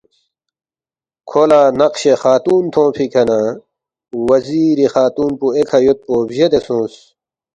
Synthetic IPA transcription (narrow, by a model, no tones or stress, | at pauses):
kʰolaːnɐqɕexaːt̪uːnt̪ʰõːpʰikʰɐna | wɐziːɾixaːt̪uːnpuekʰɐjot̪̚poːbʑed̪esũːs